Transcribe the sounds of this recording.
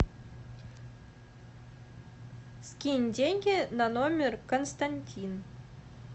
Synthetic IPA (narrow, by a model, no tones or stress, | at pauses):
skʲinʲdʲenʲɡʲenanomʲerkonst̪anʲtʲʰin